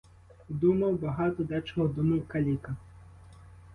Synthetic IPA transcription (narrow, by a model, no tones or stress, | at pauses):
d̪umɐwbɐɦat̪ɔd̪at͡ʃɔɦɔd̪umɐwkɐlʲikɐ